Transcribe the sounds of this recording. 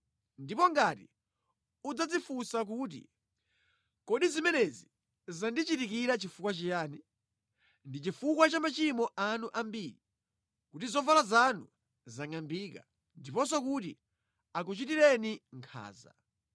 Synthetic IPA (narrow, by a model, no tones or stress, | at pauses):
ndipɔŋɡati | ud͡zad͡zifusak̬uːt̬ḭ | kɔɗizimɛnɛzi | zandit͡ʃitikiɾat͡ʃifukwat͡ʃijaːni | ndit͡ʃifukwat͡ʃamat͡ʃimɔʔanuʔambiːɾi | kutizɔvalazanṵ | zaŋambiːka̰ | ndipɔns̬ɔk̬utḭ | ak̬ut͡ʃitiɾɛniŋkʰa̰ːza̰